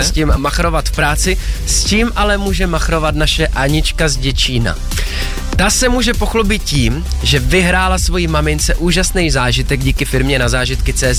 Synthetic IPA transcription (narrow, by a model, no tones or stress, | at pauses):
ɛscɪmːaxɾo̞vat̪fpɾaːt͡sɪsciːmʔalɛmuːʒɛmaxɾo̞vat̪naʃɛʔaɲɪt͡ʃkazɟɛt͡ʃiːna̰ | t̪asɛmuːʒɛpo̞xlobɪt̪̚ciːm | ʒɛvɪɦɾaːlasvo̞jimamɪnt͡sɛʔuːʒasnɛjzaːʒɪt̪ɛɡɟiːkɪfɪɾmɲɛnazaːʒɪt̪kɪt͡sɛːz